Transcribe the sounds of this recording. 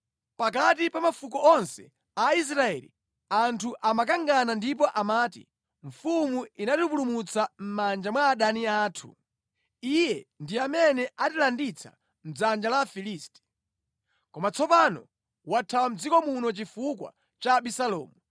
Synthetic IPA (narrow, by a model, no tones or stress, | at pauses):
pak̬atipamafukɔɔnsɛ | ais̬ɾaɛlḭ | antʰuʔamakaŋɡanandip̬ɔʔamaːtḭ | ɱ̩fumuinatup̬ulumut͡sam̩mand͡ʒamwaːɗaniaːtʰṵ | ijɛndiamɛnɛʔatilandit͡sʰa̰ | m̩d͡zand͡ʒalafilistɛ̥ | kɔmat͡sʰɔpanɔ̰ | watʰawam̩d͡zikɔmunɔt͡ʃifukwa̰ | t͡ʃaɓisalɔ̰ːmu